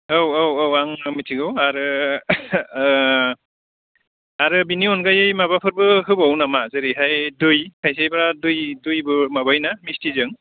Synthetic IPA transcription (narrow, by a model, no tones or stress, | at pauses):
owowowːaŋmitʰiɡɯwaɾɯ | aɾɯbiniɔnɡajɯjmabapʰɯɾbɯɦɯbawnamazɯɾiɦajdujkʰajs̬ajbaɾadujdujbɯmabajnamistizɯŋ